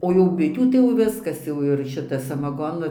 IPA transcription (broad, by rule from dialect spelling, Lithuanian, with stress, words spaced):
oː jɛʊ ˈbʲɪtʲuː tɐɪ jɛʊ ˈʋʲɪskɐs ˈjɛʊ ɪr ˈʃʲɪtɐ sɐmɐˈɡoːnʊ